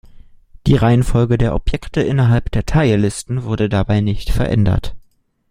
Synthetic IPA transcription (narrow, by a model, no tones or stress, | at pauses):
d̥iːʁaɪənfɔlɡədeːɐʔɔpjɛktəʔɪnɐɦalpd̥eːɐtʰaɪəlɪstn̩vʊɐdədabaɪnɪçtfɛɐʔɛ̰ndɐ̰t